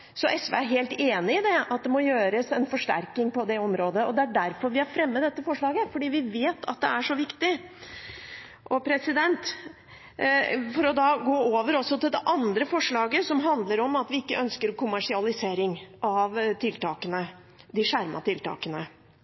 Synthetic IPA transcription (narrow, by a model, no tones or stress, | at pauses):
sɔʔɛsʋɛ̰æɾɦeːlt̪eːnɪɪd̪ɛɑt̪̚d̪ɛmɔjøːɾəsɛnfɔʂʈæ̰ɾkɪŋpɔd̪ɛɔmɾoːd̪əɔd̪ɛæɖæɾfɔɾʋɪæɾfɾɛmːəd̪ɛt̪ːəfɔʂɭɑːɡəfɔɖiːʋɪʋeːt̪ʰɑ̰t̪̚d̪ɛæʂɔʋɪkt̪ɪ | ʔɔpʰɾɛsɪd̪ɛnt̪ | fɔɾɔd̪ɑːɡoːoːʋəɾɔsːɔt̪ɪld̪ɛʔɑnd̪ɾəfɔʂɭɑːɡəsɔmɦɑnd̪ləɾɔmɑt̪ʋɪɪkːəʔœnskəɾkʊmæʂɪɑlɪseːɾɪŋɑʋt̪ʰɪlt̪ʰɑ̰ːkənə | d̪ɪʂæɾmɑ̰t̪ʰɪlt̪ɑ̰ːkənə